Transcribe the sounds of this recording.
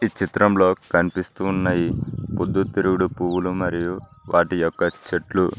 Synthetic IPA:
it͡ʃit̪ɾɐmlo̞ːkɐnipist̪uːnːɐjipod̪ːut̪iɾuɡuɽupuʋulumɐɾijuʋaːʈijɔkːɐt͡ʃeʈlu

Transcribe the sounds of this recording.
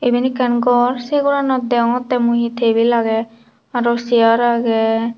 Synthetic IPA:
ebinikɛnɡɔɾseɡɔɾanɔd̪ɛɔt̪ːɛmuɦit̪ʰebilaɡɛ | aɾɔsiaɾaɡɛ

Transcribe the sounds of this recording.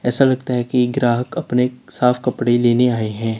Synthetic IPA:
ɛːsalɐɡt̪aɦɛkiɡɾaːɦəkɐpnesaːfʰkɐpɽeleːneaːeɦɛ̃ː

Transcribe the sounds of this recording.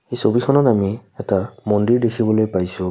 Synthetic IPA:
ejsobixʰɔnɔtamiɛtamɔndiɹdekʰibɔlojpajsʊ

